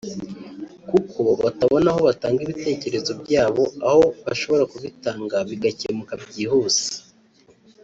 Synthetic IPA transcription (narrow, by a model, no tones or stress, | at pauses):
kukʰo̞βataβo̞naɦo̞βataːŋɡiβite̞ːce̞ɾe̞zo̞bɟaːβo̞aho̞βaʃo̞βo̞ɾakuβitaːŋɡaβiɡacemukabɟiːhuːz̥i̥